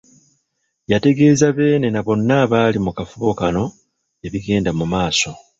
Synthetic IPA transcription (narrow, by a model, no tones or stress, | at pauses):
jate̞ɡe̞ːzaβe̞ːne̞naβo̞nːaːβaːlimukafuβo̞kano̞ | e̞βiɡe̞ːndamumaːso̞